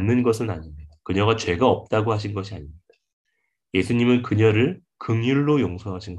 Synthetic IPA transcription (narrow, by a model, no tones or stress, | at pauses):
nːɯnɡʌs̬ʰɯnaɲimɲidakɯɲʌɡat͡ɕwe̞ɡaʌp̚t͈aɡoɦaɕʰinɡʌɕʰiaɲimɲid̥a | je̞sʰuɲimɯnkɯɲʌɾɯɭ | kɯŋjuɭːojoŋsʰoɦaɕʰinɡʌ